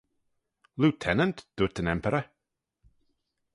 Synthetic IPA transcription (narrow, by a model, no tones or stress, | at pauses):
lutʰɛnəntd̥ʊtənɛmpʰəɾə